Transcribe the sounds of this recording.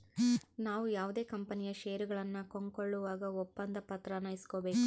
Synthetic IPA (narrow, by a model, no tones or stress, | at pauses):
naːʋujaːʋud̪e̞ːkɐmpɐnijɐʃejɐɾuɡɐɭɐnːɐkoŋkoɭːuʋaːɡɐɔpːɐnd̪ɐpɐt̪ɾɐnɐjisi̥koːbe̞ːku